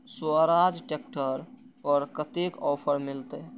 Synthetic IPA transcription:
suaɾad͡ʒʈekʈəɾ | ɔɾkət̪ekɔːpʰəɾmilt̪e

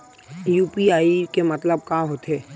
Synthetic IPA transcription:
jupiaːikemət̪ləb̚kaɦot̪ɦɛː

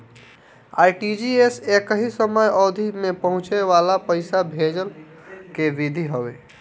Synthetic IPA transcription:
a̰ːjʈid͡ʒiesekəɦisəməjɔd̪ʱimepəɦʊ̃t͡ʃeʋalapəɪsabʱed͡ʒəl | keʋid̪ʱiɦəwḛ

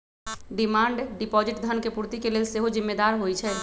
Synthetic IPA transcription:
ɖɪmaːɳɖɖɪpɔːd͡ʒɪʈd̪ʱənkepuɾt̪ikeleːlseɦod͡ʒɪmːed̪aːɾɦoit͡ʃʰɛː

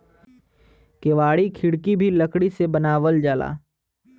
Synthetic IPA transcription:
keːʋaːɽikʰɪɽkibʱiləkɽisebɐnaːʋəld͡ʒaːla̰ː

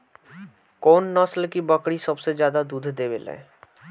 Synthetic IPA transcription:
koːnːɔsəlkibəkɽisəbsed͡ʒjaːd̪ad̪uːd̪ʱd̪eːbelḛ̃ː

